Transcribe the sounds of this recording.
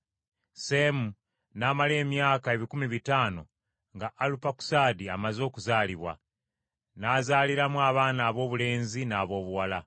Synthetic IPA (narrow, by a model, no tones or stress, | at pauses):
se̞mu | naːmale̞ːmjaːkae̞βikumiβitaːno̞̰ | ŋɡaʔːlupaku̥saːdiamazo̞ːkuzaːliβwa̰ | naːzaːliɾamuaːβaːnaːβo̞ːβule̞ːnzinaːβo̞ːβuwala